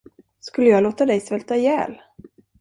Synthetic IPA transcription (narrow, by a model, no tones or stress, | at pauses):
skɵlːəjɑːɡloːt̪ad̪ɛjsvɛlt̪ajɛ̰ːl